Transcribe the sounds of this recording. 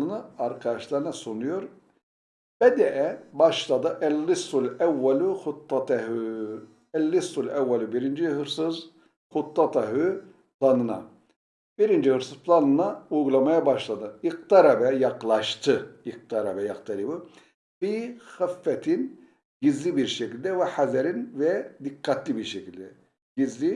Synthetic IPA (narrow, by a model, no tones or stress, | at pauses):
ɯnɯaɾkʰad̪aʃlˠaɾɯnasunujoɾ | bɛd̪ɛʔɛbaʃlˠad̪ɯʔælːisulʲæwːɛluxut̪ːɑt̪aɦu | ælːisːulʲæwːɛlʲubiɾind͡ʒiɦɯɾsɯz | xʊt̪ːɑt̪ʰaɦy | pʰlˠanɯna̰ | b̥iɾind͡ʒihɯɾsɯz̥pʰlˠanɯnaujɡulˠamajabaʃlˠad̪ɯiqt̪aɾabɛjɑqlˠɑʃt̪ʰɯiq̚t̪ʰaɾabɛjaqt̪ʰaɾibɯ | bixafːɛt̪ʰin | ɟizlʲibiɾʃɛcʰilʲd̪ɛvɛħazæɾinvɛd̪ikːat̪lʲibiɾʃecilʲd̪ɛ | ɟizlʲi